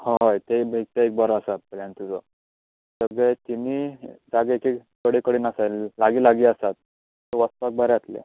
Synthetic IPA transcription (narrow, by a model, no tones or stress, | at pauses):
haɦajt̪ebʱeɡ̚t̪eek̚bəɾɔəsat̪̚pəljant̪ud͡zɔ | səɡet̪iniːd͡zaɡekekkəɽikəɽiːnasallaɡiːlaɡiːəsat̪̚ | t̪əʋəst̪uak̚bʱəɾeat̪lḛ